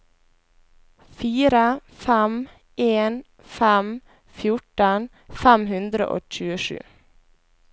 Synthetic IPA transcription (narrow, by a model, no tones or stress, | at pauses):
fiːɾəfæm | ʔeːn | fæm | fjʊʈən | fæmhʉnd̪ɾə̰ʔo̰ːc͡çʉːəʃʉ̰ː